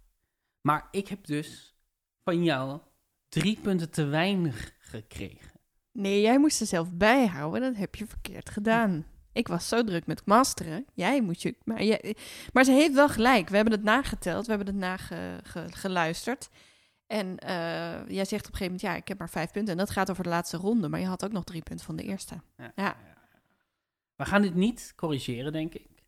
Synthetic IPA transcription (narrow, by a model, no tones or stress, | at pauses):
maːɹɪkɦɛp̚dɵs | fɑnjɔw | dripɵntəntəʋɛjnəχːəkrḛjχən | nejjɛjmustsəzɛlˠfbɛjɦa̰wəndɑtɦɛpjəfəɹkɪ̰ːɹtχədaːn | ʔɪkʋɑssowdrɵkmɛtkmɑstərəjɛjmustəma̰jɛmaɹzəɦeftʋɛlˠχəlɛjkʋəɦɛbənətnaːχətɛ̰lˠtʋəɦɛbənətnaːχə̰χəχəlœɥstəɹt | ɛnəjɛjzɛχtɔpəχeːvəmɛntjaːʔɪ̰khɛp̚maːɹfɛjfpʏntəɛndɑtχaːtowvəɹdəlaːtstərɔndəma̰ɹjəɦɑtowknɔχdripʏntəvɑndə̰ʔɪ̰ːɹstəja | ʋəχaːndɪtnitkɔriʒɪːrədɛŋkɪk